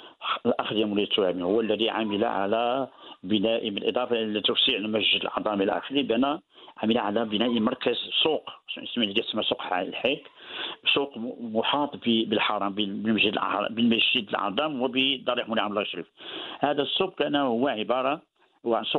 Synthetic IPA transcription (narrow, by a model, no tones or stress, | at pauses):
lʔɑxd̪jæmʊlid̪t̪ːwæmihʊwːælːæd̪iʕa̰məla̰ʕa̰læbənæʔbəlʔəd̪ˤɑfɑlit̪ːuwsiʕmæʒʒəd̪əlʕɑ̰d̪ˤɑmʔilæ̰ʔæ̰xəɾibænæʕaməlaʕalæbənæʔimɑɾˤkəzsuqsmlːid̪æt̪səmːæsoqlħikbsuqmʊħɑt̪ˤbəbəlħɑɾˤɑmbbəlmæʒəd̪əlʔɑ̰ɾ̰ˤbəlmæʒːid̪əlʕɑ̰d̪ˤɑmwəbəd̪ˤɑɾˤiħmʊliʕamlæʃɾḭfhæd̪əsˤːuq̚kænæhʊwːæʕəbɑɾˤɑ | wʕnsˤu